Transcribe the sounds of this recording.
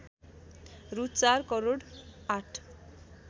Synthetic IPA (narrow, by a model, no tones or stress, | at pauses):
rut͡sarkʌɾoɽaʈʰ